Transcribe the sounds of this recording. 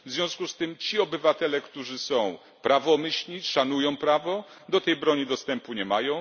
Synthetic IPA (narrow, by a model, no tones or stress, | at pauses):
vzʲjɔ̃w̃skust̪ɘmt͡ɕiɔbɘvat̪ɛlɛkt̪uʐɘsɔ̃w̃ | pɾavɔmɘɕlʲiʂanujɔ̃w̃pɾavɔ | d̪ɔt̪ɛjbɾɔɲid̪ɔst̪ɛmpuɲɛmajɔ̃w̃